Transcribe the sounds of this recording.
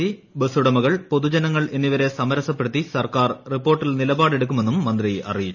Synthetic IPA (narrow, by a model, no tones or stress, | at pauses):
ibesuɽɐmɐɣɐɭpo̞ðud͡ʑɐnɐŋːɐɭʔe̞nːiʋɐɾe̞sɐmɐɾɐsɐp̬ːe̞ɽut̪ːisɐrkaːrripːo̞ːrʈːilnilɐbaːɽe̞ɽuk̬ːume̞nːumːɐnd̪riʔɐ̰rijit͡ɕː